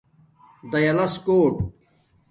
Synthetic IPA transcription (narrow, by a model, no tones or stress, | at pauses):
d̪ɐjɐlɐskoːʈ